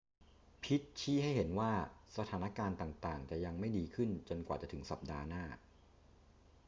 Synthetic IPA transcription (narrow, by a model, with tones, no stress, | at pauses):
pʰi˦˥t̪̚t͡ɕʰiː˥˩ɦa˥˩jɦe˩˦nwaː˥˩sa˧aː˩˦na˦˥kaː˧nt̪aː˨˩ŋt̪aː˨˩ŋt͡ɕa˨˩ja˧ŋma˥˩jdiː˧kʰɯ˥˩nt͡ɕo˧nkwaː˨˩t͡ɕa˨˩t̪ʰɯ˩˦ŋsa˨˩p̚daː˧naː˥˩